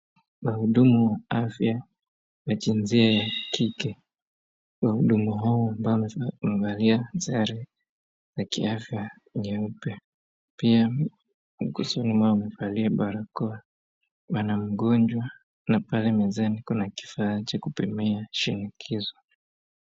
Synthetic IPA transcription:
wahuɗumuwaafja | wat͡ʃinziajakikɛ | wahuɗumuɦaɔambaɔmɛmɛvaliazaaɾi | zakḭafja | ŋɛupɛ | pia | m̩kusɔnimwaɔamɛfaliaɓaɾakɔa | wanam̩ɠɔnd͡ʒwa | napalɛmɛzanikunaki̥fat͡ʃakupimɛaʃinikʰizɔ

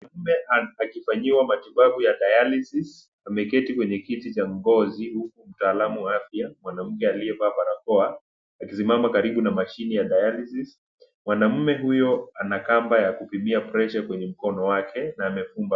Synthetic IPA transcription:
namɛakifaɲiwamatiɓaɓujaɗajalisis | amɛkɛtikwɛɲɛkitit͡ʃaŋɡɔzihukum̩taːlamuwaafjamwanam̩kɛaliɛpaːɓaɾakɔaː | kis̬imamakaɾiɓunamaʃinijaɗajalisis | mwanam̩mɛɦujɔanakambajakupimiapɾɛʃakwɛɲɛm̩kɔnɔwakʰɛnaːmɛfumba

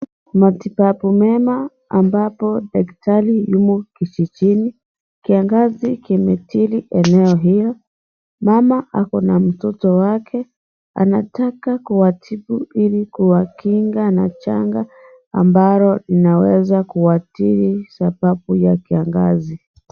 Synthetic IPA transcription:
matipapumɛmaː | mbapɔdaktalijumukit͡ʃit͡ʃini | kiaŋɡazikimɛtiɾiʔɛnɛɔɦijɔ | mamaʔakɔnam̩tɔtɔwakʰɛ | a̰natakakuwatʰibuilikuwakiŋɡana̰t͡ʃa̰ŋɡa | a̰mbaɾɔlinawɛzakuwatiɾisapapujakiaŋɡa̰zi

